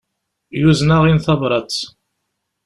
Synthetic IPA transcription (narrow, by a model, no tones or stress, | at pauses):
juznaʁinθɑvɾˤɑt͡s